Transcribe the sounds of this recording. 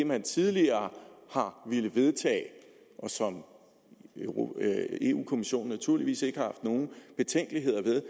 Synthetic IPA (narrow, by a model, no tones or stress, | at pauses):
de̝mænt͡sʰiðˠliɐːhɑ̈ʋe̝ləʋe̝ð̞ˠt͡sʰɛ̰ː | ʔɒ̽sɒ̽m | e̝̰ṵːkʰo̝miɕo̝̰ːn̩ːæt͡sʰuɐ̰liʋḭːse̝ɡ̥əhɑhɑ̈fd̥no̝ːn̩b̥e̝t͡sʰeŋ̰ɡ̥liɦe̝ð̞̰ˠɐʋe̝ð̞ˠ